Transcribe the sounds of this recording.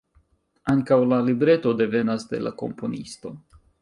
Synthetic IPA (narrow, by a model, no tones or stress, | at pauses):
aŋkawlalibɾe̞to̞de̞ve̞nasde̞̰lʔa̰ko̞̰mpo̞nisto̞